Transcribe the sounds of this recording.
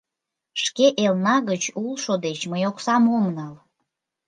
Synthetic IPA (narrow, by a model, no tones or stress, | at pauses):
ʃkeʔelnɑɣət͡ɕulʃod̪et͡ɕməjoksɑmomnɑl